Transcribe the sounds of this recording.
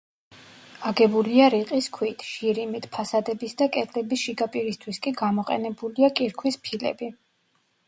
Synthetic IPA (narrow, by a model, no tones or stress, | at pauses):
aɡɛbuliaɾiqʼiskʰwit̪ʰʃiɾimit̪ʰpʰasad̪ɛbisd̪akʼɛt̪ʼʰlɛbisʃiɡapʼiɾist̪ʰwiskʼiɡamɔqʼɛ̰nɛbuliakʼiɾkʰwispʰilɛ̰bi